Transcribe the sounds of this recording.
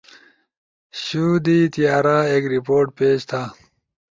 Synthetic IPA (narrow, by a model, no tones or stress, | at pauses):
ɕud̪it̪ijaːɾaːeːkɾipoːɾʈ̚peːd͡ʑt̪ʰaː